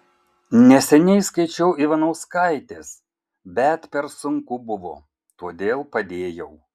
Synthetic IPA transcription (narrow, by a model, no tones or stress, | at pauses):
nʲɛsʲɛnʲɛɪskɐɪt͡ʃʲɛʊiʋɐnɐʊskɐɪt̪ʲeːs | bʲɛt̪pʲɛɾsʊŋkʊbʊʋo̰ː | t̪uɔd̪ʲeːlˠpɐd̪ʲeːjɛʊ